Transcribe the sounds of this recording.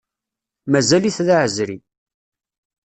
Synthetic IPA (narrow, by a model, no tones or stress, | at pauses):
mæzæliθðaʕəzɾḭ